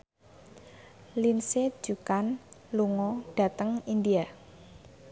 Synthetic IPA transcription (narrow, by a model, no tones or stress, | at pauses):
linsed̥ʒ̥ṳkanluŋɔɖ̥a̤t̪əŋind̪ia